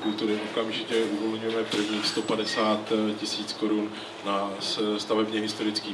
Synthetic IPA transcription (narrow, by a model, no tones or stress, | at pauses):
kult̪uɾɪʔo̞kamʒɪcɛʔuvo̞lɲujɛmɛpr̩vɲiːxst̪o̞padɛsaːt̪cɪsiːt͡sko̞ɾun | nasst̪avɛbɲɛɦɪst̪o̞ɾɪt͡skiː